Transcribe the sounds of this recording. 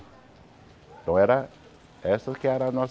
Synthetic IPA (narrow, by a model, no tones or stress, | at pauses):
t̪ɐ̃w̃ɛɾɐ | ɛst̪ɐskɪɛɾɐanɔs